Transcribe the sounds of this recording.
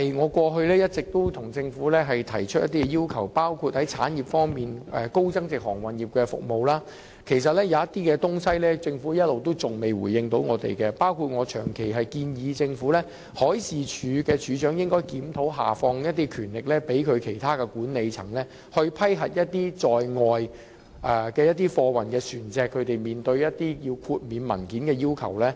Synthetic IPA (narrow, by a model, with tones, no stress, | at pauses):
jŋɔː˨˧kwɔː˧ɦɵ˧lɛː˥jɐ˥t̚t͡sɪ˨k̚t̪o˥t̪ʰʊ˨˩ŋt͡sɪ˧ŋfu˨˥lɛː˥ɦɐ˨jt̪ʰɐ˨˩jt͡ʃʰɵ˥t̚jɐ˥t̪iː˥ɛ˧jiː˥wkʰɐ˨˩wpaː˥wkʰuː˨˧t̚hɐ˨˥jt͡sʰaː˨˥njiː˨p̚fɔː˥ŋmiː˨nʔɛ˨ko˥wt͡sɐ˥ŋt͡sɪ˨k̚hɔː˨˩ŋwɐ˨nji˨p̚kɛ˧fʊ̰˨k̚mo˨wlaː˥ | kʰe˨˩jsɐ˨t̚lɛː˥jɐ˨˧jɐ˥t̪iː˥kɛː˧t̪ʊ˥ŋsɐ˥jlɛː˥t͡sɪ˧ŋfuː˨˥jɐ˥t̚lo˨wt̪o˥wt͡sʊ˨ŋme˨˩jwuː˨˩jːɪ˧ŋt̪o˨˥wŋɔː˨˧t̪ḛ˨jkɛ˧paː˥wkʰu˨˩t̚ŋɔː˨˧t͡ʃʰœː˨˩ŋkʰe˨˩jɦɐ˨jkiː˧njiː˨˧t͡sɪ˧ŋfuː˨˥lɛː˥ | hɔː˨˥jsiː˨t͡ʃʰyː˨˧˥kɛː˧t͡ʃyː˨˧t͡ʃœː˨˥ŋjɪ˥ŋkɔː˥jkiː˨˥mt̪ʰo˨˥wɦa̰ː˨˩fɔː˧ŋjɐ˥t̪̬̚ːiː˥kʰyː˨˩nlɪ˨k̚lɛː˥pe˨˥jkʰɵ˨˧ɥkʰe˨˩jt̪ʰaː˥kɛː˧kuː˨˥nne˨˧jt͡sʰɐ˨˩ŋlɛː˥ | hɵ˧ɥpʰɐ˥jɦɐ˨t̚jɐ˥t̚t̪iː˥t͡sɔː˨jŋɔː˨j | ʔɛ˨kɛː˧jɐ˥t̪̬ːiː˥fɔː˧wɐ˨˩nkɛː˧syː˨˩nt͡sɛː˨˧kʰːɵ˨˧ɥt̪e˨jmiː˨nt̪ɵ˧ɥjɐ˥t̚t̪iː˥jiː˧wkʰuː˧t̚miː˨˧nmɐ˨˩nkiː˨˥nkɛː˧jiː˥wkʰɐ̰˨˩wlɛː˥